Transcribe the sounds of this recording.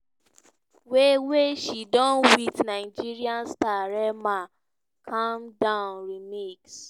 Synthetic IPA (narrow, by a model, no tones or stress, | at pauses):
weweʃidɔ̃nwitnaɪd͡ʒiɾiãnstaɾɛma | kʰãmdãʊnɾimiks